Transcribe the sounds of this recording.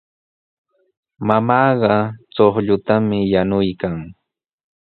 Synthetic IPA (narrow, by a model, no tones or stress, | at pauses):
mamɑːɢɑt͡soχʎʊt̪amɪjanʊjkaŋ